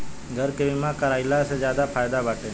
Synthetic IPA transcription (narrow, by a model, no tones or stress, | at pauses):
ɡʱəɾkebɪmãkəɾaːɪlased͡ʒjaːd̪apʰaːjd̪abaːʈeː